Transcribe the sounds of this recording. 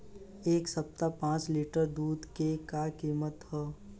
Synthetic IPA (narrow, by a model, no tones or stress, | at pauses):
eːksɐp̚t̪apãːt͡ʃliːʈəɾd̪uːd̪kekakiːmət̪ɦɛː